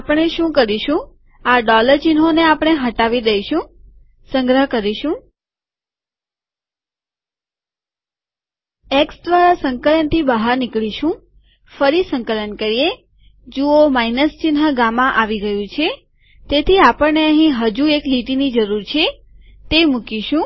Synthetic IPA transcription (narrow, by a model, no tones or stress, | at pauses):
apəɳ̃eʃũkəɾiʃũ | aɖɔləɾt͡ʃɪnɦoneapəɽ̃eɦəʈaʋid̪əiʃũ | səŋɡɾəɦkəɾiʃũ | eksd̪ʋaɾasəŋkələnt̪ʰibəɦaɾnɪkɭiʃũ | fəɾisəŋkələnkəɾije | d͡ʒuomainəst͡ʃɪnɦəɡãmãʔaʋiɡəjũt͡ʃʰe | t̪et̪ʰiapəɾneəɦĩɦəd͡ʒuekliʈinid͡ʒəɾuɾt͡ʃʰe | t̪emukiʃũ